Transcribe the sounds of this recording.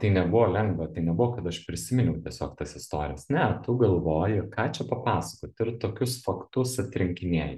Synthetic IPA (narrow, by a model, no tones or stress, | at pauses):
t̪ɐɪnʲɛbʊʋoːlʲɛŋɡʋɐt̪ɐɪnʲɛbʊʋɔːkɐt̪ɐʃpʲɾʲɪsʲɪmʲɪnʲɛʊt̪ʲiɛsʲoːkt̪ɐsɪst̪o̰ːɾʲɪ̰jɛsnʲɛt̪ʊɡɐlˠʋoːjɪkɑːt͡ʃʲɛpɐpɑːsɐkoːt̪ʲɪrt̪oːkʲʊsfɐkt̪ʊsɐt̪ʲɾʲɪŋʲkʲɪnʲiɛj